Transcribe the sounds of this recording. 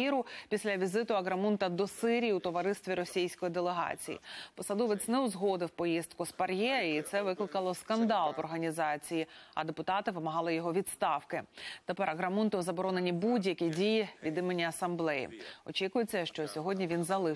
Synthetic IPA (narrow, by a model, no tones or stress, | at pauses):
iɾʊpʲisʲlʲɐʋʲizɪt̪ʊɐɣɾɐmunt̪ɐd̪ɔsɪɾʲijiʊt̪ɔʋɐɾɪst̪ʋʲiɾɔsʲijsʲkɔjid̪elˠeɦɑ̰t͡sʲḭjḭpɔsɐd̪ɔʋet͡s̪ʲnɛʊzɦɔd̪ɪwpɔjizt̪̚kʊspɐrjɛit̪sɛʋɪklˠɪkɐlˠɔskɐnd̪ɑlˠʋɔrɦɐnʲizɑt͡sʲijiɐ̰d̪epʊt̪ɑt̪ɪʋɪmɐɦɑlˠɪjɔɦɔʋʲid̪st̪ɑwkɪt̪epɛɾɐɣɾɐmunt̪ʊɔzɐbɔɾɔne̞nʲibudʲjɐkʲidʲijiʋʲid̪ɪmenʲːiɐsɐmblˠɛjḭɔt͡ʃikʊjet͡sʲːɐʃt͡ʃɔsʲɔɦɔdʲnʲiʋʲinzɐlˠɪ